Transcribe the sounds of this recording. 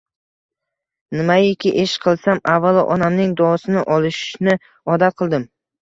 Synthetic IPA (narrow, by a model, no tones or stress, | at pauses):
nɪmajekʲɪʔeʃqʰɨlˠsamavːalˠʔɒ̰namnɪŋd̪ɒsɪnɪʔɒlˠɪʃnɪ | ɒd̪at̪̚qʰɨlˠd̪ɪm